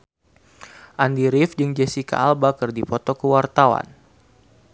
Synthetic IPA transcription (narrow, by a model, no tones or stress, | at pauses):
ʔandiɾifd͡ʒɨŋd͡ʒɛsika̰ʔːlbakɨrdipɔt̪ɔkəwart̪awa̰n